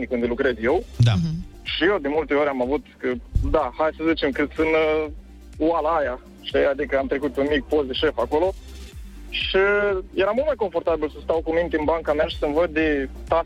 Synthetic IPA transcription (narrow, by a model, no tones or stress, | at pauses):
nikund̪elukɾe̞zjewd̪aʃijewd̪emult̪e̞oɾʲamavut̪kəd̪ahajsəzit͡ʃemkɨt̪sɨnə | walaja | ʃead̪ikəamt̪ɾe̞kut̪unmik̚pozd̪eʃefakolo | ʃijeɾamult̪majko̞ɱfo̞rt̪abilsəst̪awkumint̪eɨnbaŋkameaʃi̥səmvəd̪̚ːet̪a